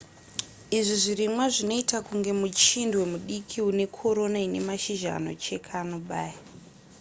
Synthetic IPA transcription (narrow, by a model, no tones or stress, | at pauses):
iʐiʐirimwaʐino̞itakuŋɡe̞mut͡ʃindwe̞muɗikʰiune̞kʰo̞ɾo̞naine̞̰maʃiʒa̰no̞̰t͡ʃe̞kʰanoɓaːja